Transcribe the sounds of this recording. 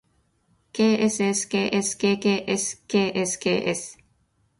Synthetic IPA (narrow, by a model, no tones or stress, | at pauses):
keːeseskeːʔeskeːkeːʔeskeːʔeskḛːʔes